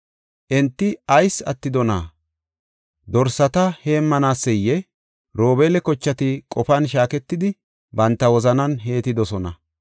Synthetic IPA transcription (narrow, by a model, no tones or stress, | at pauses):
ʔɛnt̪ːɪɐjsɐt̪ːɪd̪ɔna̰ | d̪ɔɾsɐt̪ɐhe̞ːmːɐnaːsːɛjːɛ | ɾo̞ːbelɛkɔt͡ʃːɐt̪ɪkʼɔfɐnʃaːkɛt̪ːɪd̪ɪ | bɐnt̪ːɐwɔzɐnɐnɦe̞ːt̪ɪd̪ɔsɔnɐ̰